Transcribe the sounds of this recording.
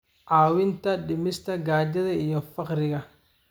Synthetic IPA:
ʔaːwɪnt̪ɐɗɪmɪst̪ʰɐɡaːd͡ʒɐðɐijɔfɑqɾɪɣɐ

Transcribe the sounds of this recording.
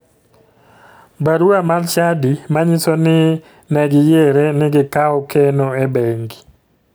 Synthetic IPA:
baɾuamalt͡ʃadimaɲɪsonɪ | nɛɡɪjeɾɛnɪɡɪkaɔkɛnɔɛbɛŋɡi

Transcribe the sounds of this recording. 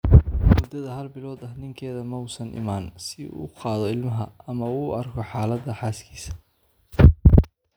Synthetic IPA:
wɔd̪ɐðɐɦɐlbɪlɔːd̪ɐhnɪŋkʰɛːðɐmɔwsɐnɪ̰maːnsɪṵːqɑːðɔɪlmɐɦɐɐmɐuːɐrkʰɔħaːlɐd̪ɐħaːskʰiːsɐ̥

